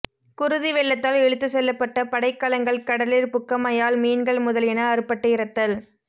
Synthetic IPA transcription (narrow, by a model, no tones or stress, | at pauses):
kʊɾʊðiʋɛɭːɐt̪ːaːlɛɻɯt̪ːɯsɛlːɐpːɐʈːɐpɐɽɐɪkːɐlɐŋɡɐɭkɐɽɐlɪɾpʊkːɐmɐjaːlmiːnɡɐɭmʊðɐlɪnɐɐɾɯpːɐʈːɯɪɾɐt̪ːɐl